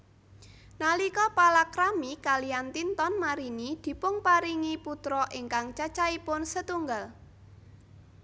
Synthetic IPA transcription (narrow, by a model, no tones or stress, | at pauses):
nalikɔpalakɾamikalijant̪int̪ɔnmaɾinid̪̥i̤pʊŋpaɾiŋiput̪ɾɔʔɪŋkaŋt͡ʃat͡ʃaipʊnsət̪uŋɡal